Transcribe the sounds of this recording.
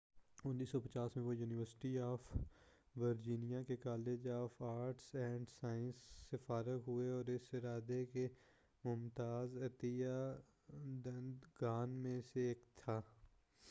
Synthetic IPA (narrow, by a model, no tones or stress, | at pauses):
ʊnːiːsɔpət͡ʃaːsmẽʋojuːnɪʋəɾsɪ̥ʈiaːf | ʋəɾd͡ʒiːnijakekaːleːd͡ʒaːfʰaːɾʈsɛ̃ːɳɖsaːɪ̃nsːefaːɾəkɦʊeɔːɾɪsɪɾaːd̪eke | mʊmt̪aːzɐt̪ija | d̪ənd̪ɡaːnmẽseːkt̪ʰaː